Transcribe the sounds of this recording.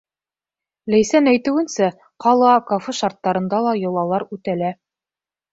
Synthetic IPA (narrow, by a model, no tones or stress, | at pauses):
læjsænæjt̪ɘ̆wɘ̆nsæ | qɑlˠɑkofeʃɑɾt̪ːɑɾɤ̆nd̪ɑlˠɑjŏlˠɑlˠɑɾʉt̪ælæ